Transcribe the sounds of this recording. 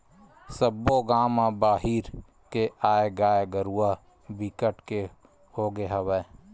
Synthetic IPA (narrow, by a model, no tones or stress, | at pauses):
səbːoɡaːmãbaːɦiːɾ | keʔaːeɡaːeɡəɾua | bikəʈke | hoːɡeɦəwɛː